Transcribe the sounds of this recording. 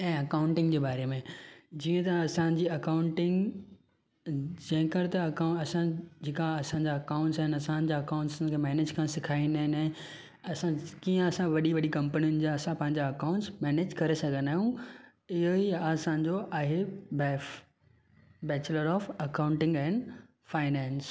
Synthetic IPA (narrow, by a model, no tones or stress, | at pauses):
ɛ̃ːɐkaːʊ̃ɳʈɪ̃ŋɡd͡ʑeːbaːɾemẽd͡ʑiːə̃t̪ɐɐsãd͡ʑiːɐkaʊ̃ɳʈɪ̃ŋɡ | d͡ʑɐ̃ɦɪ̃kɐɾɪt̪ɐɐɐsãd͡ʑekaɐsãɲd͡ʑaɐkaʊ̃ɳʈsaːɦɪnɐsãːd͡ʑaɐkaʊ̃ɳʈskʰeːmɛːneːd͡ʑkʰãːsɪkʰaːind̪aːɦɪ̃naɦɪ̃ | ɐsãkiːə̃ɐsãʋɐɗiʋɐɗikɐ̃mpənijʊnɪ̆d͡ʑaɐsãpɐ̃ɦɪ̃ɲd͡ʑaɐkaʊ̃ɳʈsmɛːneːd͡ʑkɐɾesɐɡʱə̃nd̪aːɦijũ | ɪɦoiɐsãɲ̆d͡ʑoʔaːɦebɛ | bɛːt͡ɕləɾɔːfɐkãʊ̃ɳʈɪ̃ŋɡɛːnɖ | faːɪnɛ̃ːɪns